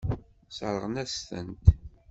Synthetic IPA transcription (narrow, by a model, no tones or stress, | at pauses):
səɾˤəʁnæst̪ə̰nt̪